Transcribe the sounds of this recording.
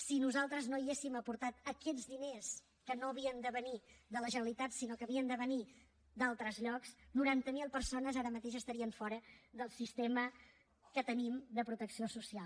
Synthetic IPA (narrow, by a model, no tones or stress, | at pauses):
sinuzalˠt̪ɾəznoiesiməpuɾt̪at̪əkɛd͡zdines | kənoəβ̞iənd̪əβənid̪ələʒənəlit̪at̪sinokəβiənd̪əβəni | d̪alˠt̪ɾəzʎɔksnuɾant̪əmilˠpəɾsonəzaɾəmət̪eʒəst̪əɾiəɱfɔɾəðəlˠsist̪emə | kət̪ənimd̪əpɾut̪əksiosusialˠ